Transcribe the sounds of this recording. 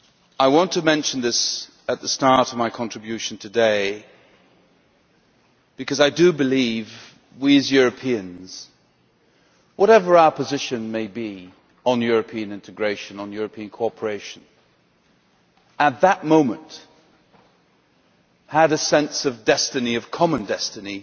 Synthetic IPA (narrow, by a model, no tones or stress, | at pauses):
aɪwɑ̃ntʰɨmɛ̃nʃn̩ðɪs | ɨt̪̚ðəstɑɹɾʌvmaɪkʰɑ̃ntɹ̥ɨbjʉʃn̩tʰɨdeɪ | b̥ɨkʰʌzaɪdɨbɨliv | wiɨzjʊɹɨpʰiɨ̃nz̥ | wʔʌɾɛvə˞aʊə˞pʰɨzɪʃɨ̃nmeɪbi | ə̃njʊɹɨpʰiɨ̃nɪ̃ntʰɨɡɹeɪʃɨ̃nə̃njʊɹɨpʰĩɨ̃nkʰɔɹpʰə˞eɪʃɨ̃n | ət̪̚ðət̚mõʊ̃mɨ̃nt | həɾɨsɛ̃nsʌvdɛstɨniʌv̥kʰɑmə̃ndɛstɨni